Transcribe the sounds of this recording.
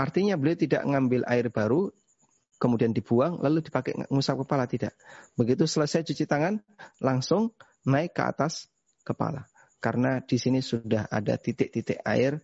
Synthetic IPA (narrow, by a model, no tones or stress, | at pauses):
ʔart̪iɲabəliawt̪ida̰ʔŋambɪlʔa̰ɪrbaɾu | kəmudiandibuaŋla̰ludipakɛ̰ŋusap̚kəpalat̪idaʔbəɡit̪usələsajt͡ʃut͡ʃit̪aŋan | laŋsʊŋ | naɪkːəa̰t̪as | kəpa̰la | kaɾənad̥isinisudaɦa̰da̰t̪it̪ɪʔt̪it̪ɪʔa̰ɪr